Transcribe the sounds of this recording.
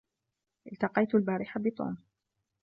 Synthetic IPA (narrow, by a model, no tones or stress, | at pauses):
ʔɪlt̪ɑqɑjt̪albaːɾɪħabɪt̪ˤṵːm